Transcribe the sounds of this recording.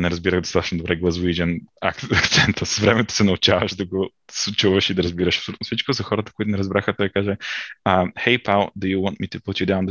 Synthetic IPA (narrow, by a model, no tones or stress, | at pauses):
nɛɾɐzbiɾəɣd̪ost̪at̪ət͡ʃnod̪obɾɛɡlˠɐzvid͡ʒɛnɐkt̪sɛnt̪ʰəsə̥svɾɛmɛt̪o̥sɛnɐʊt͡ʃavəʃd̪ɐɡo | sʊt͡ʃuvəʃid̪ɐɾɐzbiɾəʃɐ̥psolʲut̪ʊfsit͡ʃkozɐxɔɾət̪ə̥koʊit̪ʊnɛɾɐzbɾaxət̪ɔjkaʒɛəxɛjpalˠd̪ujuwɔ̃nt̪mit̪uput̪ʲjud̪ãʊnd̪